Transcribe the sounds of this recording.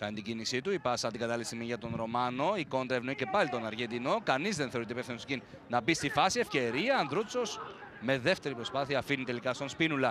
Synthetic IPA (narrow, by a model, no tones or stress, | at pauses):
kɐnit̪iɟinisit̪uipɐsɐnt̪iɡɐt̪ɐlisimiʝɐt̪o̞nɾo̞mɐno̞iko̞nd̪ɾɐevno̞ice̞pɐlit̪o̞nɐɾʝend̪ino̞kɐnizðe̞nθeit̪eipefθinoscin | nɐbist̪ifɐsiefce̞ɾiɐːnðɾut͡so̞s | me̞ðe̞ft̪e̞ɾipɾo̞spɐθiɐːfinit̪e̞likɐst̪onspinulɐ